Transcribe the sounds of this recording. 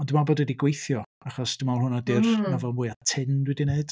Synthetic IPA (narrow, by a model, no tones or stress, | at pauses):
ɔndɪmabɔdwɛdiɡwejθjɔ | aχɔsd̥ɪmaɔlˠhʊnɔdɪrnavɛlˠmʊːɨatʰɪndwɛdineɨd̥